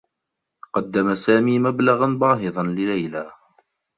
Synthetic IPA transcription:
qɑd̪ːamasaːmiːmablaɣanbɑːɦɪðˤɑnlɪlæjla

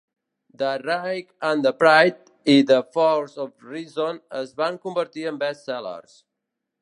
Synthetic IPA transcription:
d̪ərajkãnd̪əpɾajt̪̚ | iðəfɔlzɔfrizonəzβaŋkumbəɾt̪iə̃mbɛst̪sɛlə̰ɾs

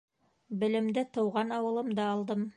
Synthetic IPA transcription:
bɘ̆lɘ̆md̪ɘt̪ɤ̆wʁɑnɑwɤ̆lˠɤmd̪ɑːlˠd̪ɤm

